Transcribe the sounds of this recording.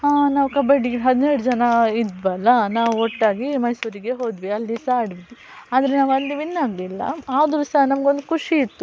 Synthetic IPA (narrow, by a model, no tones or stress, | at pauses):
ɦaːnaːʋukɐbɐɖiɡɦɐd̪nɛɾɽud͡ʒɐnɐid̪bɐlːɐnaːʋuɔʈːaːɡimɐjsuːɾiɡe̞ɦo̞ːd̪ʋiɐlːisaːɽbi | aːd̪ɐɾenaːʋɐnd̪eʋinːaːɡlilːɐ̰aːʋɐd̪ɾusɐnɐmɡeond̪ukʰuʂiːt̪ːu